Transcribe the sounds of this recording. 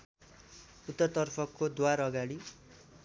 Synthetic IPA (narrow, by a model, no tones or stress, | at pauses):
ut̪ːʌt̪ʌrpʰʌkod̪waɾʌɡaɽi